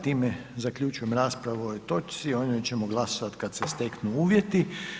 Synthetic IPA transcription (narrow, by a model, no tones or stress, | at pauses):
t̪iːmezakʎʲut͡ʃujemɾaːspɾaʋoojt̪o̞t͡ʃ̪sio̞ɲojt͡ɕe̞moɡlˠasoʋat̪kad̪sest̪eknuuːʋjet̪i